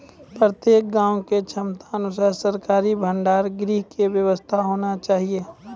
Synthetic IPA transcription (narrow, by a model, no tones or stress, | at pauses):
pɾət̪jeːk̚ɡãːõket͡ʃʰɐmt̪aɐnʊsaːɾsəɾkaːɾibʱə̃ɳɖaːɾɡɾiːɦkeʋjəʋəst̪ʰaɦoːnat͡ʃaːɦieː